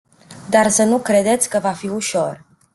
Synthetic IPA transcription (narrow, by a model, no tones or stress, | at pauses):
d̪arsənukɾe̞d̪e̞t̪sʲkəvafiuʃo̞r